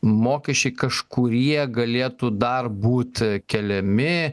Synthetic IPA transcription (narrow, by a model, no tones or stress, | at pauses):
moːkʲɛʃʲt͡ʃʲɛɪkɐʃkʊɾʲiɛɡɐlʲeːt̪uːd̪ɐrbuːt̪ʲkʲɛlʲɛmʲɪ